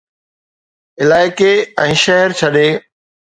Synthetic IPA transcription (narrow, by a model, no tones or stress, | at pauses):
ɪlaːɪkeɛ̃ːʃɛɦəɾt͡ɕʰɐɗeː